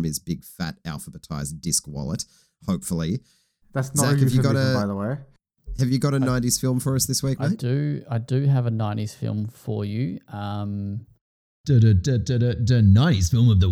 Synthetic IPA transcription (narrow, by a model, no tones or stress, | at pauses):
mɨzbɪɡ̥fæ̰ɾæ̰lˠfəbɨtʰa̰ɪzdɪskwɑ̰lˠə̰t̚ | hoʊpfl̩ˠi | ðætsnzækɨvjɨɡɑɾɨbaɪðəweɪ | hɨvjɨɡɑɾɨnãɪ̃niz̥fɪlˠɱfə˞ʌsðɪswik̚dɨaɪdɨəvɨnãɪ̃ñiz̥fɪ̰lˠɱfə̰˞jʉʔʌ̃m | d̥ɨɾɨdɨdɨɾɨdɨnãɪ̃niz̥fɪlˠmʌvðə